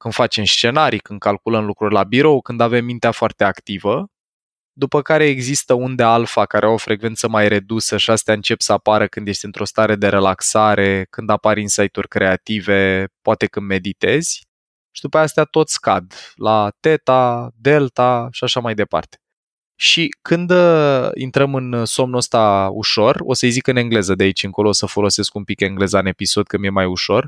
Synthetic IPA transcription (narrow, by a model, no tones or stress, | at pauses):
kɨnd̪fat͡ʃe̞mst͡ʃe̞naɾikɨnd̪kalkuləmlukɾurʲlabiɾo̞wkɨnd̪ave̞mːint̪eafoart̪eakt̪ivə | d̪upəkaɾe̞ːɡzist̪əund̪e̞alfakaɾʔeaofɾʔe̞ɡve̞nt̪səmajɾe̞d̪usəʃiast̪eaɨnt͡ʃe̞psəapaɾəkɨnd̪jest̪eɨnt̪ɾo̞st̪aɾe̞d̪e̞ɾe̞laksaɾe̞kɨnd̪apaɾʲinsajt̪urʲkɾe̞at̪ive̞poat̪e̞kɨnd̪me̞d̪it̪e̞z̥ʲ | ʃid̪upəjast̪eat̪o̞t̪sʲka̰d̪lat̪e̞t̪ad̪e̞lt̪aʃiaʃamajd̪e̞pa̰rt̪e̥ | ʃikʰɨnd̪əḭnt̪ɾəmɨnso̞mnuəst̪aṵʃo̞ro̞səjzikɨne̞ŋɡle̞zəd̪eait͡ʃʲɨŋko̞lo̞ːosəfo̞lo̞se̞skumpike̞ŋɡle̞zaɨne̞piso̞d̪̚kəmjemajuʃo̞r